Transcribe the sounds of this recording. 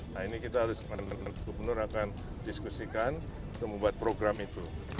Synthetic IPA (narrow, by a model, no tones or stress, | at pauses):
nainikit̪aɦaɾʊsŋanaankubənʊɾakan | diskusikan | t̪ʊməmbuat̪̚pɾoɡɾamit̪u